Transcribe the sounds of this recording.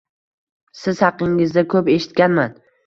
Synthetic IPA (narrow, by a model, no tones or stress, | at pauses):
sɪzhɑqɪŋɪzd̪akʰɵpe̞ʃɪ̥t̪̚kʲanman